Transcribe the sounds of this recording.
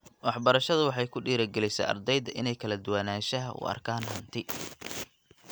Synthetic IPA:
wɑħbɐɾɐʃɐðʊwɑħɑjkʰʊɖiːɾɐɡɛlɛjsɛ̰ːɐ̰rd̪ɛjd̪ɐʔɪnɛjkʰɐlɐd̪ʊwanaːʃɐɦɐʔʊ̰ɐ̰rkʰaːnɦɐnt̪ʰɪ

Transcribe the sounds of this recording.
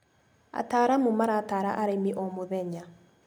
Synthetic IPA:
a̰taːɾamomaɾaːtaːɾaʔaɾemiʔɔmoðɛɲa

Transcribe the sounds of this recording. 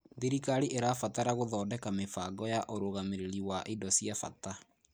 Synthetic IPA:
ðeɾikaɾiʔeɾafataɾaɣoðɔːdɛkamefaɡɔjaʔoɾoɣameɾeɾiwaʔidɔsiafa̰ta

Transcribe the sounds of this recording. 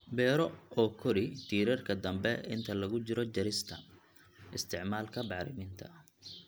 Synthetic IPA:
bɛːɾɔɔːkʰɔɾɪt̪ʰiːɾɐrkʰɐd̪ɐmbɛɪnt̪ʰɐlɐɣʊt͡ʃɪɾɔt͡ʃɐɾɪst̪ʰɐ | ɪst̪ʰɪʕmaːlkʰɐbɑʕɾɪ̰mɪnt̪ʰɐ

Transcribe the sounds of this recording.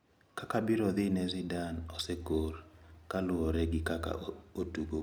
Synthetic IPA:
kakabɪɾɔðɪnɛzidanɔsɛɡorkalʊɔɾɛɡɪkaka̰otuɡo

